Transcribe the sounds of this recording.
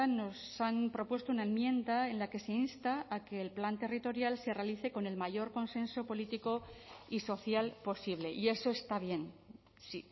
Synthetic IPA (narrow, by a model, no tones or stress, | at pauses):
no̞sampɾo̞pwe̞st̪ounaemmjẽ̞nd̪ae̞nlake̞se̞inst̪aːke̞ːlplant̪e̞rit̪o̞ɾjalse̞re̞aliθe̞ko̞ne̞lmaʝo̞ɾko̞nsẽ̞nso̞po̞lit̪iko̞iso̞θjalpo̞siβ̞le̞ʔie̞so̞e̞st̪aβ̞je̞n | si